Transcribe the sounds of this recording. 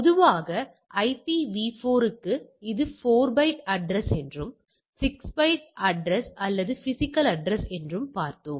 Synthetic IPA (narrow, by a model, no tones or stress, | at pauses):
pɔðɯʋaːɣɐ | ʔɐɪpiʋiːfoːɾɯkːɯɪðɯfoːɾbɐɪʈɐɖɾɐsɛndrɯm | sɪksbɐɪʈ̚ɐɖɾɐsɐlːɐðɯfɪsɪkːɐlɐɖɾɐsɛndrɯmpaːɾt̪oːm